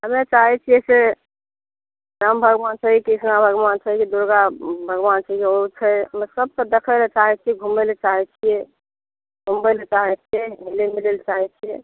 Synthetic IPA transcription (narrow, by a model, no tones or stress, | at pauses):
ɦəmet͡ʃaɦɛt͡ʃʰijɛse | ɾambʱəɡʋant͡ʃʰəɦikisnabʱəɡʋant͡ʃʰəikid̪uɾɡabʱəɡʋant͡ʃʰəikeot͡ʃʰɛɦəmesəb̚kəd̪ekʰəlet͡ʃaɦɛt͡ʃʰijɛɡʱumɛlt͡ʃaɦɛt͡ʃʰijɛ | ɡʱumbɛlet͡ʃaɦɛt͡ʃʰijɛmilemilelt͡ʃaɦɛt͡ʃʰijɛ